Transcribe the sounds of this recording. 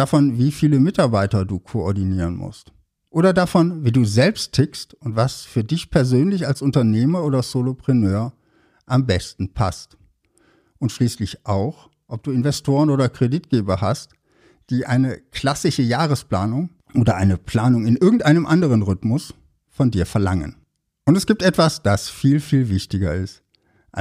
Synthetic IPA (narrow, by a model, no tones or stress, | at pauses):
d̥afɔnviːfiːləmɪtaɐbaɪtɐduːkʰoɔɐdiniːʁ̞ənmʊ̰st | ʔoːɾɐdafɔnviːduːzɛlpstʰːɪkstʊntv̥asfyːɐdɪçpʰɛɐzøːnlɪçalsʊntɐneːmɐʔoːdɐzoːlopʁ̥ɛnøːɐ | ʔambɛstn̩pʰa̰st | ʔʊntʃliːslɪçʔaʊx | ʔɔp̚d̥uːɪnvɛstʰoːʁənoːdɐkʁ̥editɡ̥eːbɐhast | d̥iːʔaɪnəkl̥asɪʃəjaːʁ̞əspl̥aːnʊŋ | ʔoːdɐʔaɪnəpl̥aːnʊŋɪnʔɪɐɡŋ̩tʔaɪnəmʔandəʁənʁʏtmʊs | fɔndiːɐfɛɐlaŋə̰n | ʔʊntɛsɡ̥iːp̚tɛtv̥asd̥asfiːlfiːlvɪçtɪɡɐ̰ɪst | ʔ